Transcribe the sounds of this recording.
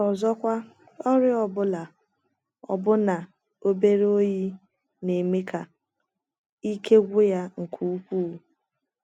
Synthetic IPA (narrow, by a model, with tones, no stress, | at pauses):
ɔ˨zɔ˦kʷa˦ | ɔ˦ɾɪ˦ɔ˨bʊ˦la˨ | ɔ̰˨bʊ˦na˨ | o˦be˦ɾo˦ji˦ | ne˨me˦kʰa˨ | i˦kʰe˦ɡʷʊ˦ja˦ŋ̩˨kʰu˦u˦kʷu˦˨